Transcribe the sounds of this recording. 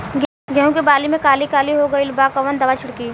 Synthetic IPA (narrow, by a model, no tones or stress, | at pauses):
ɡəɦũkebaːlimẽkaːlikaːliɦoɡɐilbaːkɐʋənd̪ɐʋat͡ʃʰɪɽkiː